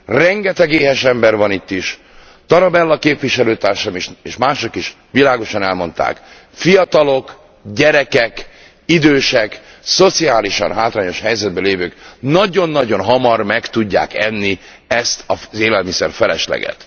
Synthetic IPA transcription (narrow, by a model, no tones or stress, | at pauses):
rɛŋɡɛt̪ɛɡeːɦɛʃɛmbɛrvɒnit̪ːiʃ | t̪ɒɾɒbɛlːɒkeːpʋiʃɛløːt̪aːrʃɒmiʃeːʃmaːʃo̞kiʃ | ʋilaːɡo̞ʃɒnɛlmo̞nt̪a̰ːk | fijɒt̪ɒlo̞k | ɟɛɾɛkɛk | id̪øːʃɛk | so̞t̪siaːliʃɒ̰nɦaːt̪raːɲo̞ʃhɛjzɛd̪̚bøleːvøːknɒɟo̞nːɒɟo̞nɦɒmɒrmɛkt̪uɟːa̰ːkɛnːi | ɛst̪ɒzeːlɛlmisɛrfɛlɛʃlɛ̰ɡɛ̰t̪